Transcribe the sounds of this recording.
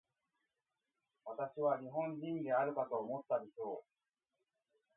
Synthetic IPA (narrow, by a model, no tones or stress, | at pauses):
βat̪aɕiβ̞aɲiɦõ̞ɲd͡ʑĩnd̪e̞aɾɯ̟kat̪o̞ːmo̞t̪ːaɾʲiɕo̞ː